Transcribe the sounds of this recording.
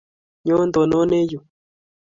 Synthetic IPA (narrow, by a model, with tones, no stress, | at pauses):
ɲo˦nd̪o˨no˦ne˦ju˨